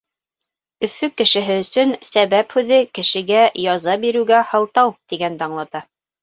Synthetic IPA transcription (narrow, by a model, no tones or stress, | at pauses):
ɵ̆fɵkːɘ̆ʃɘ̆ɦɘɵ̆sɵnsæβæphʉðɘkɘ̆ʃɘ̆ɡæjɑzɑbiɾʉɡæhɑ̆lˠt̪ɑwt̪iɡænt̪ɑɴlˠɑt̪ɑ